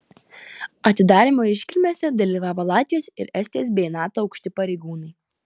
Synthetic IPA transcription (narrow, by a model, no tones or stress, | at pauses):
ɐt̪ʲɪd̪ɑːɾʲimoːɪʃʲkʲɪlʲmʲoːsʲɛd̪ɐlʲiːʋɑːʋolˠɑːt̪ʲɪjoːsɪ̰ɾɛsʲt̪ʲiɔs̬bʲɛnɑːt̪oːɒʊkʃʲt̪ʲɪpɐɾʲɛɪɡuːnɐɪ